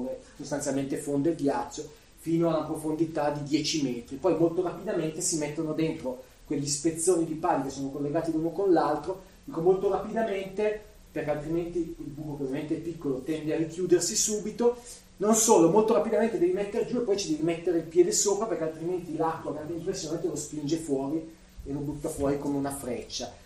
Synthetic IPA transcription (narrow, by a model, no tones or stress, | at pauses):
esost̪ansjalment̪efond̪oeld̪jat͡ʃːo | fiːnoanapɾofond̪it̪ad̪id̪jɛːt͡ʃimɛːt̪ɾipɔjmolt̪oɾapid̪ament̪esimet̪ːonod̪ent̪ɾo | kweʎːispet̪sːoːnid̪ipanikesːoːnokolːeɡaːt̪iluːnokonlalt̪ɾo | d̪iːkomolt̪oɾapid̪ament̪e | perkealt̪ɾiment̪iilbuːkopɾovjamẽnt̪eɛpːikːolot̪ɛnd̪earikjuːd̪ersisuːbit̪o | nonsoːlomolt̪oɾapid̪ament̪ed̪ɛːvimet̪ːeɾed͡ʒuepːɔjt͡ʃid̪ɛːvimet̪ːeɾeilpjɛːd̪esoːpɾaperkealt̪ɾiment̪ilakːwaɡɾant̪eimpɾesːjonamet̪elospind͡ʒefwɔːɾi | elobut̪ːafwɔːɾikomeunafɾɛt͡ʃːa